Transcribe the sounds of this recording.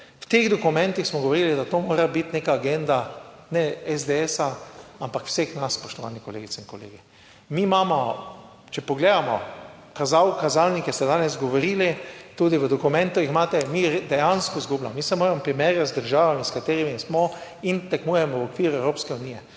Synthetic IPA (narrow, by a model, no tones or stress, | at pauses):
wt̪eɣd̪ɔkumɛ̃nt̪ixsmɔɡɔʋoɾiːlid̪at̪oːmoːɾabit̪neːkaːɡend̪anɛɛzd̪eesaampakw̥sexnasspɔʃt̪ɔʋa̰ːnikɔlḛːɡit̪t͡ssɛinkɔlḛːɡi | mimaːmɔ | t͡ʃɛpɔɡleːd̪amɔ̰ | kazawkazalnikɛst̪ɛd̪aːnɛzɡɔʋoɾiːlit̪uːd̪iʋəd̪ɔkumɛ̃nt̪uixmaːt̪ɛmid̪ɛjanskɔzɡublamɔmisɛmoːɾɛmɔpɾimɛɾjazd̪əɾʒaːʋaminskat̪eːɾimismɔint̪ɛkmujɛmɔwɔkʋiːɾuɛwɾoːpskɛuniːjɛ